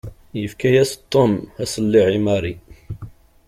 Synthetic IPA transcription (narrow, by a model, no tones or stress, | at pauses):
jəfkæjæst̪ˤːomhæsəlːiʕimæɾi